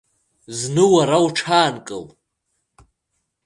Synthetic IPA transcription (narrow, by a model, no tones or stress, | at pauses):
znɨwaɾawʈ͡ʂʰaːnkʼɨl